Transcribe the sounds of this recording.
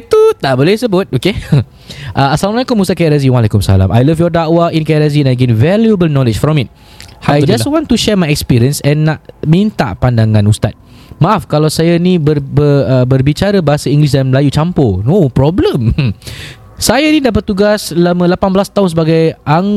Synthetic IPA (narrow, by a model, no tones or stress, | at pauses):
t̪ut̪aʔbolehsəbʊt̚oke | ʔaasalamlajkʊmːust̪akajɾaziwalɛkʊmsa̰lã̰mʔajlavjɔdaʔwaʔĩnkajɾaziɛ̃naɡẽnvɛljuəbəlnɔlɪd͡ʒfɾɔ̃mit̚ | ajd͡ʒawɔ̃ntuʃɛmajɛkspiɾiə̃nsɛ̃nːaʔmĩnt̪a̰ʔpandaŋãnust̪a̰t̪̚ | maʔafkalawsajanĩbəbəəbərbit͡ʃaɾəbaɦasəĩŋɡlis̬danməlajut͡ʃamponopɾɔblə̃m | sajanidaʔpət̚t̪uɡaslamə̃lapanbəlast̪aʊns̬əbaɡajʔa